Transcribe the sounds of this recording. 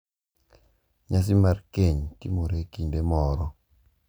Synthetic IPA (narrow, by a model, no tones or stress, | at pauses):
ɲas̬imarkeɲtimoɾekiɲbemɔɾɔ